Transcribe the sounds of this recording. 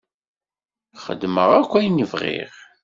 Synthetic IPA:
χə̰d̪məʁækʷːæjnəvʁɪ̰ʁ

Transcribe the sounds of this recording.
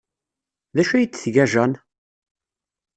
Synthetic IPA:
ðæʃæjit͡sːθʝæʒæn

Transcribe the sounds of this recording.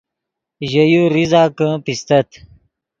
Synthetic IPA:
ʑɐjuɾizaːkə̃pist̪ɐt̪

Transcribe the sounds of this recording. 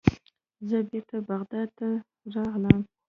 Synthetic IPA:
zəbeɾt̪abaɣd̪ɑd̪̚t̪ːa | ɾɑʁləm

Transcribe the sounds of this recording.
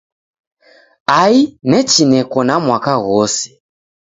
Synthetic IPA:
ainɛt͡ʃinɛkɔnamwakaɣɔsi̥

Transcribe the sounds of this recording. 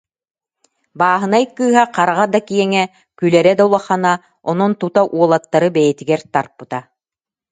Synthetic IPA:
baːɦɯ̆najkːɯːɦaqaɾaʁad̪akijɛŋɛ | kylɛɾɛd̪aulˠaχana | ɔnɔnt̪ut̪aʔuɔlˠat̪ːaɾɯbɛjɛt̪iɡɛɾt̪aɾpɯt̪a

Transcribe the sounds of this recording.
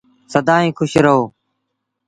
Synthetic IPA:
səd̪aːɦĩːkʰʊʃɾəɦoː

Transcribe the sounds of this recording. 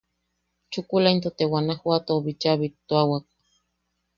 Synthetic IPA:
t͡ʃukulaint̪ot̪ewanahwat̪oːβit͡ʃaβit̪ːoawak̚

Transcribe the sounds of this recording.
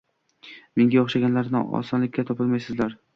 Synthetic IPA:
meŋɡʲaɒχʃaɡʲanlaɾnɪɒ̰sɒnlɪkʲːat̪ʰɒpɪlmajsɪzlaɾ

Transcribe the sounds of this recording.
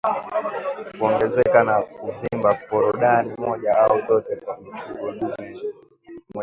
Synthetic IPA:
kuɔŋɡɛzɛkanakuvimbapɔɾɔɗanimɔʄaaɔzɔtɛkwam̩t͡ʃuɔɗumɛ | m

